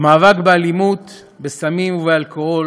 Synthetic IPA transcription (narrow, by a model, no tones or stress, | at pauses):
maːvakbealimut̪ | besamimuvealkoo